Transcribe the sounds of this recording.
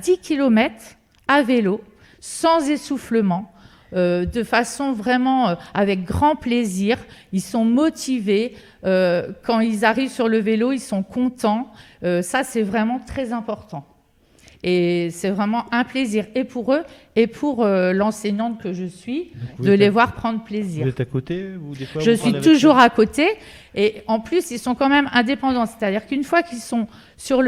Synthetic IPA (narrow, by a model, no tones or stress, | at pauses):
d̪ikʲilɔmɛt̪χ | avelo | sɑ̃zesufləmɑ̃ | ød̪əfasɔ̃vʁɛmɑ̃øavɛk̚ɡʁɑ̃pleziʁilsɔ̃mɔt̪ʰive | økɑ̃ilzaʁivsyʁləveloilsɔ̃kɔ̃t̪ɑ̃øsasɛvʁɛmɑ̃t̪χɛzɛ̃pɔʁt̪ɑ̃ | esɛvʁɛmɑ̃ɛ̃pleziʁepʰuʁøepʰuʁølɑ̃sɛɲɑ̃t̪kəʒəsɥid̪əlevwaʁpχɑ̃d̪ʁəpleziːɛt̪kot̪eʒəsɥit̪uʒuʁakot̪eː | ɑ̃plysilsɔ̃kɑ̃mɛmɛ̃d̪epɑ̃d̪ɑ̃se̥t̪ad̪iʁkynfwakilsɔ̃ | syʁl